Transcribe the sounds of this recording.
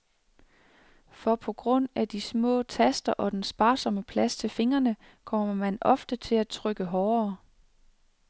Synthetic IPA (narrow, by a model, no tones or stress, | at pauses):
fɒ̽pʰɒ̽ɡ̥ʁɔ̽n̰æd̥ismɔ̰̽ːt͡sʰæsd̥ɐʔɒ̽d̥ensb̥ɑ̈ːsɒ̽məpʰlæst͡sʰe̝lfe̝ŋɐnə | kʰɒ̽m̰ɐɐmænɒ̽fd̥ət͡sʰe̝læt͡sʰʁœɡ̥əɦɒːɐː